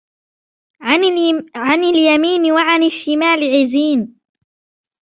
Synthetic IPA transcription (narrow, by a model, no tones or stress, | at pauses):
ʕanɪljamiːnɪwaʕanɪʃːɪmaːlɪʕɪziːn